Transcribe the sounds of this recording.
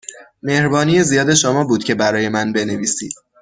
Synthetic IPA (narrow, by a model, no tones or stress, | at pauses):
me̞hɾbɒːniːjezijɒːd̪e̞ʃomɒːbuːd̪̥̚cʰe̞bæɾɒːje̞mænbe̞ne̞viːsḭːd̪̥̚